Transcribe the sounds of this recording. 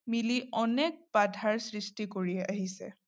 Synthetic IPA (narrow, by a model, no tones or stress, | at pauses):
miliʔɔnɛk̚badʱaɹsɹistikoɹiɛʔaɦisɛ̰